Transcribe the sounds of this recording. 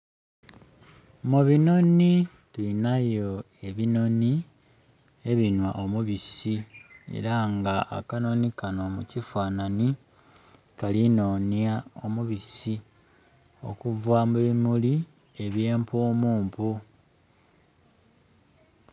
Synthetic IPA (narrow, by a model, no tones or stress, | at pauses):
muβino̞ni | tuinajo̞ | e̞βino̞ni | e̞βinwaʔo̞muβisie̞̰ɾaŋɡaʔːkano̞nikano̞mucifaːnani | kalino̞ːnjao̞muβisi | o̞̰kuvwamuβimuli | e̞βje̞ːmpoːmuːmpu